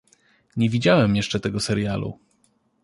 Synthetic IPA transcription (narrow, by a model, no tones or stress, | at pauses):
ɲevʲid͡ʑawɛmjɛʂt͡ʂɛt̪ɛɡɔsɛɾjalṵ